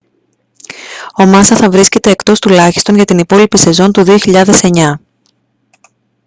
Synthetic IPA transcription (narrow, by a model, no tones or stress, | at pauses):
o̞mɐsɐθɐvɾisce̞t̪e̞ːkt̪o̞st̪ulɐçist̪o̞nʝɐt̪inipo̞lipise̞zo̞nt̪uðioçiʎɐðe̞se̞ɲɐ